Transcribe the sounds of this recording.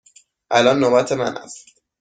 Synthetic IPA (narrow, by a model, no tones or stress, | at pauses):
ʔælɒnːoːbæt̪ʰemæ̰næ̰st̪